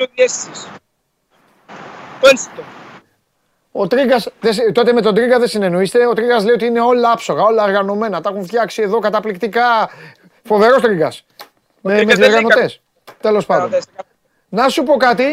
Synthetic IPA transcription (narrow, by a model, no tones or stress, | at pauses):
oesis | t̪ensi̥t̪o | ot̪ɾiɡɐsðest̪o̞t̪eme̞t̪o̞d̪ɾiɡɐðe̞sine̞no̞ist̪eo̞t̪ɾiɡɐsle̞jo̞t̪iine̞o̞lɐɐpso̞ɣɐo̞lɐoɾɣɐno̞me̞nɐt̪ɐxuɱft̪çɐksie̞ðo̞kɐt̪ɐplikt̪ikɐ | fo̞ve̞ɾo̞st̪ɾiɡɐs | memet̪ɾɣɐnot̪e̞s | t̪e̞lo̞spɐnd̪s | nɐsupo̞kɐt̪i